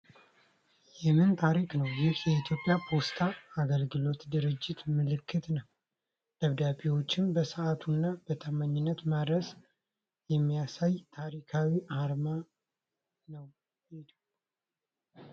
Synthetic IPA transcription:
jɛmɨnt̪ʰaɾiknəwjɪhjɛit̪ʰjo̞pʼjapʰo̞st̪ʰaːɡəlɡɨlo̞t̪d̪ɨɾɨd͡ʒːɪt̪mɨlɨkʰːɨt̪nəw | d̪̥əβd̪abiwo̞t͡ʃːɪmbəsəʔat̪ʰunːab̥ət̪ʰəmːaɲːɪnːət̪mad̪ɾəs | jɛmːijasajt̪ʰaɾikʰawiʔaɾma | nəw | id̪

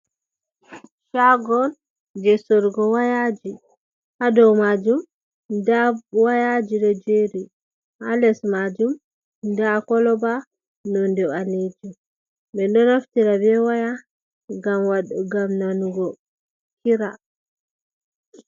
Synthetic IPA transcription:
ʃaɡɔl | d͡ʒɛsoɾɡɔwajad͡ʒi | hadɔwmad͡ʒum | dawajad͡ʒiɗɔd͡ʒeɾi | a̰lɛsmad͡ʒum | dakɔlɔba | nɔndɛaned͡ʒi | ɓɛnɗɔnaftiɾabɛwaja | ɡamwaɗuɡamnanuɡɔ | kiɾa

